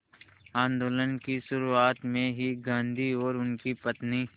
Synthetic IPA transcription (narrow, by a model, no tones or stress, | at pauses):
ãːnd̪oːlənkiʃʊɾuaːt̪mẽɦiɡãːnd̪ʱiɔːɾʊnkipɐt̪niː